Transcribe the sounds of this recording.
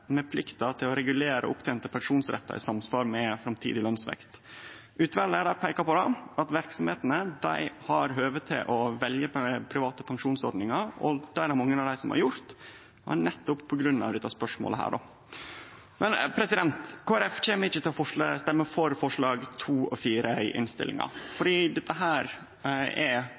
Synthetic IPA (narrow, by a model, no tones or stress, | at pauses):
mɛpʰlɪkt̪ɑt̪ʰɪlɔɾɛɡʉleːɾə̰ʔʊpt̪ʰɛɪnt̪əpʰɑŋʂuːnsɾɛ̰t̪ːɑ̰ʔɪ̰sɑmsfɑːɾmɛfɾɑmt̪ʰḭːd̪ɪlœnsʋɛ̰kt̪ | ʔʉːt̪ʋælːəæɖɑpʰæɪkɑpɔd̪ɛɑt̪ʋæɾksɔmheːt̪ənəd̪æ̰ɪhɑɾɦøːʋət̪ʰɪ̰ʔɔʋɛljəpʰɾɪʋɑːt̪əpʰɑŋʂuːnsɔ̰ɾɖ̪nɪŋɑɾɔ̰d̪̥æɾæɾmɑŋːənɑʋd̪æɪsɔmhɑ̰ɾjʊɾt̪ | hæ̰nɛt̪ːʊppʰɔɡɾʉnːɑ̰ʋd̪ɛt̪ːɑspœʂmo̰ləɦæ̰ːɖo̰ | mɛnpʰɾɛsɪd̪ɛnt̪kʰoːæɾɛft͡ɕeːməɾɪçːət̪ɪlfɔʂlst̪ɛmːəfɔɾfɔʂɭɑːɡt̪ʰuːɔ̰fiːɾəɪʔɪ̰nst̪ɪ̰lɪ̰ŋɑ̰fɔɖiːd̪ɛt̪ːəɦæːɾ | ɛ